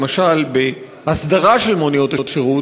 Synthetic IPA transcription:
maʃalbe | hasd̪aʁaʃe̞lmonijo̞t̪aot̪ʃeʁu

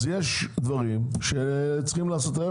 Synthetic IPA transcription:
zjeʃd̪vaʁimʃet͡sχimlaːso̞t̪e

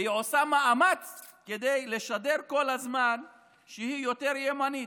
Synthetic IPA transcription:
iʕosamaʔamat͡sked̪ejle̞ʃade̞ʁko̞lazman | ʃehijo̞t̪e̞ʁjemani

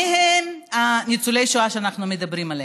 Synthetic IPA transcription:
iɦemanit͡sule̞jʃoaʃeanaχnumed̪ɐbʁimale

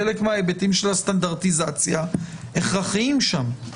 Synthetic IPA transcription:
elekmeaebetimʃelastand̪aʁt̪izat͡sjaeχʁaχiimʃam

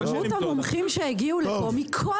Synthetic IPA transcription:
muthamomχimʃeeɡiulpomikʰo

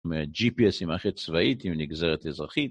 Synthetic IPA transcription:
mead͡ʒipiɛsimaχet̪t͡svaʔit̪imniɡzaʁet̪ezʁaχit̪

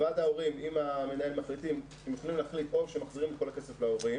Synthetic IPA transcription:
adao̞ʁimimame̞nae̞lmaχlitimkimut̪χolimlaːχlit̪ovʃemaχziʁimet̚ko̞lake̞seflaoʁi

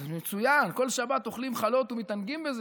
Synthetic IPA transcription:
met͡sujanko̞lʃabat̪o̞χlimχalo̞t̪umit̪anɡimbeze

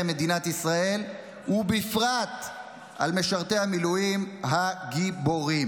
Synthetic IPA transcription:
me̞d̪inat̪isʁae̞l | ubifʁat̪ | ʔa̰lme̞ʃaʁt̪e̞jhamilujimɦaɡibo̞ʁim

